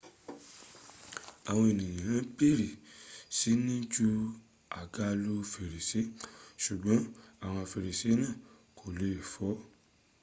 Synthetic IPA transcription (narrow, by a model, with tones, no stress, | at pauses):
a˨w̃ɔ̃˧e˨nĩ˨j̃ã˨ã˦pe˦˨ɾi˨si˨˦nĩ˦d͡ʒu˦ | a˨ɡa˦lu˦fe˨ɾi˨se˨˦ʃu˨ɡ͡bɔ̃˨˦a˦˨w̃ɔ̃˧˨fe˨ɾi˨se˨˦nãː˦˨ | ko˨le˦˨fɔ˨˦